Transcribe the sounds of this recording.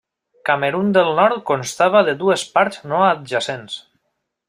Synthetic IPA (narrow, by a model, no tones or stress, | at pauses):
kameɾund̪elˠnɔɾt̪̚konst̪aβ̞aðeðuespaɾznoat̪̚ʒasens